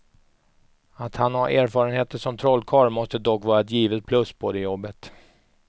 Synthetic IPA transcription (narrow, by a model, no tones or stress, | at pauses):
at̪hanhaɾʔæːɾfɑːɾənheːt̪əʂɔmt̪ʰɾɔlːkʰɑːɾmɔst̪əd̪ɔkːvɑːɾaɛt̪̬jiːvət̪̚pʰlɵsboːd̪ɛjɔbːət̪